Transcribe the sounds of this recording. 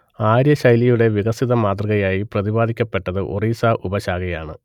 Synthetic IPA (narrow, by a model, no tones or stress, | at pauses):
aːɾjɐɕɐjlijuɽe̞ʋiɣɐsiðɐmaːt̪rɐɣɐjaːjiprɐðibaːd̪ʱikʲːɐpːe̞ʈːɐðɨʔo̰riːsaʔubɐɕaːɡɐjaːɳɨ̰